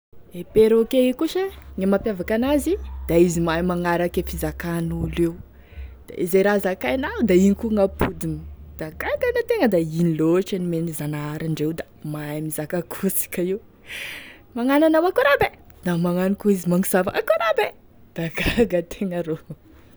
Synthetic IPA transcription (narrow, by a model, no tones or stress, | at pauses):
epeɾokeikuʃəɲamampʲjavakanazid̪̥aizimajmaŋaɾakefizakanulew | d̪̥a̰ʔizeɾazakajnaud̪aiɲikuŋapud̪imid̪̥aɡaɡanat̪eŋəd̪ainiloaʈ͡ʂənimenizanaaɾaɳɖ͡ʐewd̪a | maamizakakʰusi̥kəiw | maŋananawakuɾabe | d̪̥amaŋanikuizimaŋuz̥ava̰ʔakuɾabe | d̪̥aɡaɡət̪ʰeŋəɾo